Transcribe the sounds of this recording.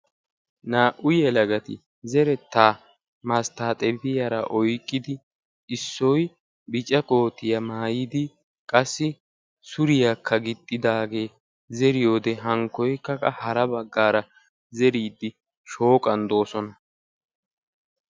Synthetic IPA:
naːʔʊjɛlɐɡɐt̪ɪ̰ | zɛɾɛt̪ːaː | mɐst̪aːt̪ʼɛbɪjɐɾɐʔɔjkʼːɪd̪ɪ | ɪsːɔj | bɪt͡ʃʼɛkʼo̞ːt̪ɪjɐmaːjɪd̪ɪ | kʼɐsːɪ | sʊɾɪjaːkʰːɐɡɪt̪ʼːɪd̪aːɡe̞ː | zɛɾɪjo̞ːd̪ɛɦɐŋkːɔjkːɐkɐhɐɾɐbɐɡːaːɾɐ | zɛɾiːd̪ːɪ | ʃo̞ːkʼɐnd̪o̞ːsɔnɐ

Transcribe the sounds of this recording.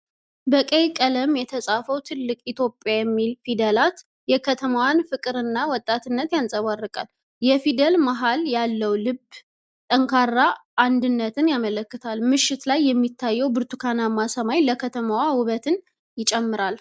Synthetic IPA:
bəkʼejkʼələmjɛt̪ʰəsʼafəwt̪ʰɨlːɨkʼit̪ʰjo̞pʼːjajɛmːilfid̪əlat̪ | jɛkʰət̪ʰəmawanfɨkʼɨɾɨnːawɔt̪ʼːat̪ɨnːət̪jansʼəβarːɨkʼa̰l | jɛfid̪əlmaɦaljalːəwlɨb | t̪ʼəŋkʰarːaʔand̪ɨnːət̪ʰɨnjamələkːɨt̪ʰalmɨʃːɪt̪lajːɛmːit̪ʰːajːɛwbɨɾt̪ʰukʰanamːasəmajləkʰət̪ʰəmawawʊβət̪ʰɨn | jɪt͡ʃʼɛmːɨɾal

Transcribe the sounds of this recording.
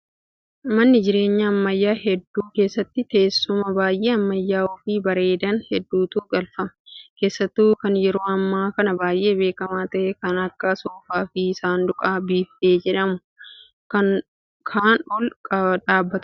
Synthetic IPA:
mɐnːɪd͡ʒɪɾe̞ːɲːɐːmːɐjːaːhɛd̪ːuːke̞ːsːɐt̪ːɪt̪e̞ːsːʊmɐbaːjʔe̞ːɐmːɐjːaːɔfiːbɐɾe̞ːd̪ɐnhɛd̪ːuːt̪uːɡɐlfɐmɐke̞ːsːɐt̪ːuːkɐnjɛɾo̞ːɐmːaːkɐnɐbaːjʔe̞ːbe̞ːkɐmaːt̪ɐʔekɐnɐkːɐsoːfaːfiːɪsaːnd̪ʊkʼaːbiːfteːd͡ʒɛᶑɐmʊ | kɐn | kʰaːnʊlkʼɐᶑaːbːɐt̪ʊ

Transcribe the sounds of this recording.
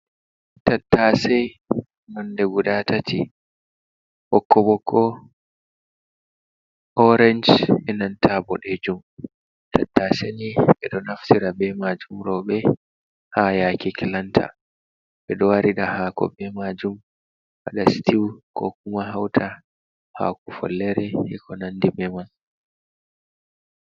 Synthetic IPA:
tatːasɛj | nɔndɛɡudatatʰi | ʔɔkːɔbɔkʰɔ | ʔɔɾɛnd͡ʒɛnantʰabɔɗed͡ʒum | tʰatːaseniɓɛɗɔnaftiɾabɛmad͡ʒumɾɔɓɛ | hajakikilantʰa̰ | ɓɛɗɔwaɾiɗahaːkɔ̰bɛmad͡ʒum | waɗastiwkɔk̚umaɦawtʰa | ha̰kufɔ̰lːɛɾɛhɛkɔnandimɛman

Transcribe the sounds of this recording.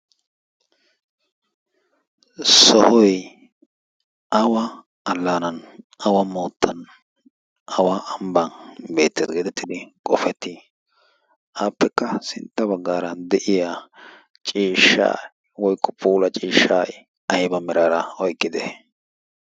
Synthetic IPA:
sɔhɔj | ʔɐwɐː | lːaːnɐnɐwɐmoːt̪ːɐn | ʔɐwaːʔɐmbɐnbe̞ːt̪ːeːd̪ɡɛd̪ɛt̪ːɪd̪ɪkʼɔfɛt̪ːɪ | aːpːɛkːɐsɪnt̪ːɐbɐɡːaːɾɐd̪ɛʔɪja | t͡ʃʼiːʃːa̰ː | wɔjkːɔpʼuːlɐt͡ʃʼiːʃːaːj | ɐhɪbɐmɛɾaːɾɐɔjkʼːɪd̪ɛ̰

